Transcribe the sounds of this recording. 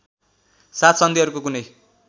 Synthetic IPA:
sat̪ʰsʌnd̪iʌɾukokunʌj

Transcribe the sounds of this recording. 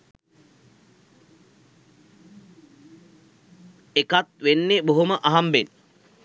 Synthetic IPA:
ekat̪ʋenːeboɦoməʔaɦamben

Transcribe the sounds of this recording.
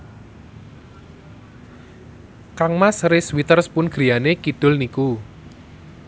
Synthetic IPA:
kaŋmasɾɪswit̪ərspʊnɡ̥ɾianekiɖ̥ʊlniku

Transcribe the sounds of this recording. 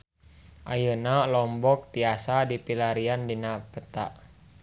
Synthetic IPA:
ʔa̰jənalɔmbɔk̚t̪iasadipilaɾiandinapət̪a̰ʔ

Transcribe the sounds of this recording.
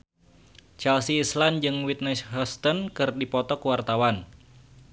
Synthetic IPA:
t͡ʃɛlsiːsland͡ʒɨŋwit̪̚nɛsɦɔst̪ɔnkɨrdipɔt̪ɔkəwart̪awan

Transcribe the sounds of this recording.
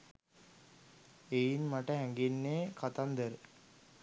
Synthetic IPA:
ejinmaʈəɦæŋɡenːeːkat̪and̪əɾ

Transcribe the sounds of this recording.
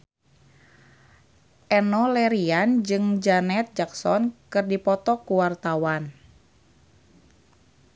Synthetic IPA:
ʔɛnɔlɛɾiand͡ʒɨŋd͡ʒanɛt̪̚d͡ʒaksɔnkɨrdipɔt̪ɔkuwart̪awan

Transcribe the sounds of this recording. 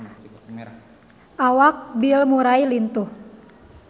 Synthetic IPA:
ʔawak̚bilmuɾailint̪uh

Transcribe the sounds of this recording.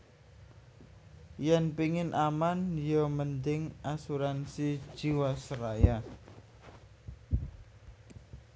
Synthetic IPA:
janpiŋɪnʔamanjɔmənd̪ɪŋʔasuɾansid̥ʒ̥iwasəkaja

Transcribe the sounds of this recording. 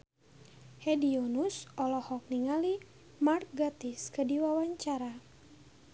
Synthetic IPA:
hɛdiɔnusɔlɔhɔk̚niŋali | mark̚ɡat̪iskədiwawaɲt͡ʃaɾa

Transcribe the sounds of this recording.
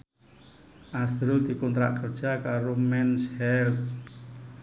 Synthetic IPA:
ʔasɾuld̪̥i̤kɔnt̪ɾa̰ʔkərd̥ʒ̥a̤kaɾomɛnshɛrt̪s

